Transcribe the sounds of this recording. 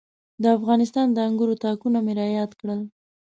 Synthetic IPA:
d̪əafɣɑnɪst̪ɑnd̪əaŋɡuɾot̪ɑkunameɾɑjɑd̪kɽəl

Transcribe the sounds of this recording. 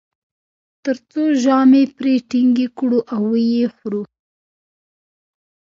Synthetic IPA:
t̪əɾt͡soʒɑmepɾeʈiŋɡekɽuʔawːəjexɾu

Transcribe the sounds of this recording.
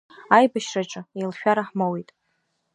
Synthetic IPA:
ajbaʃraʈ͡ʂʼɨejlʃᶣaɾaħmowijtʼ

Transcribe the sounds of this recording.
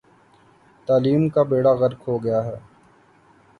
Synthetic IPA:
t̪aːliːmkabeːɽaɣɐɾkɦoɡɐjaːɦɛː

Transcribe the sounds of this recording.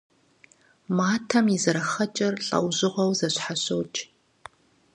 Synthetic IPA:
maːtʰɐmizɨɾɐxɐt͡ʃʼɐrɬʼɐ̰wʑɪʁʷɐwzɐɕħaɕowt͡ʃʼ

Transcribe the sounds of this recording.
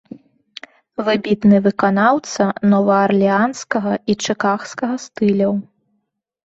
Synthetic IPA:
vɨbʲit̪nɨvɨkanawt̪sɐnɔvɐːrlʲianskɐɣɐit͡ʂɨkaxskɐɣɐst̪ɨlʲɐw

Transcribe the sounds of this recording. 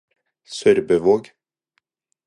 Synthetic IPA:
sœɾbəʋoːɡ

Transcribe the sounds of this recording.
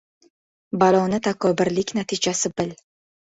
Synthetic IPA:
balˠɒnɪt̪ʰakʰɒbɪɾlɪkʲnat̪ʰid͡ʒasɪbɪl

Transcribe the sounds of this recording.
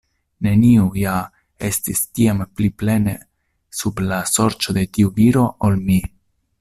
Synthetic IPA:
ne̞niuja | e̞stistiampliple̞nḛ | sublaso̞ɾt͡ʃo̞d̪e̞tiuviɾo̞ʔolmi

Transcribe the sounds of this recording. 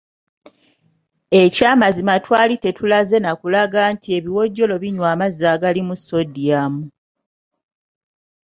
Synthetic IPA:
e̞caːmazimatwaːlite̞tʰulaze̞nakulaɡantʰie̞βiwo̞ɟːo̞lo̞βiɲwaːmazːaːɡalimusːo̞dijaːmu

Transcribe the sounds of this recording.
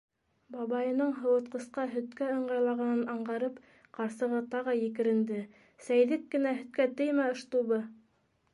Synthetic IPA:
bɑβɑjɤ̆nɤɴɦɤ̆wɤ̆t̪̚qɤ̆sqɑɦɵ̆t̪kæŏɴɢɑjlˠɑʁɑnɤnɑɴɢɑɾɤp | qɑɾsɤ̆ʁɤt̪ɑʁɤjɘ̆kɘ̆ɾɘ̆nd̪ɘ | sæjðɘkːɘ̆næɦɵ̆t̪̚kæt̪ɘjmæŏʃt̪uβɤ

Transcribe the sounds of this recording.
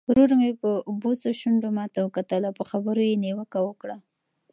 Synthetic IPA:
ɾuɾaŋepəbosoʃʊɳɖomɑt̪awəkat̪əlawpəxabəɾojeniwəkawəkɽa

